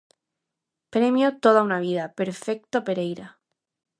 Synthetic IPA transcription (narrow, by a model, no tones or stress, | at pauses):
pɾemjot̪o̞ðaunaβ̞iðapeɾfe̞k̚t̪opeɾejɾa